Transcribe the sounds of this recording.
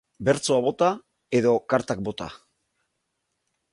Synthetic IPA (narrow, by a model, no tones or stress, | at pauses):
be̞ɾt͡soaβo̞t̪a | e̞ðo̞kaɾt̪ak̚bo̞t̪a̰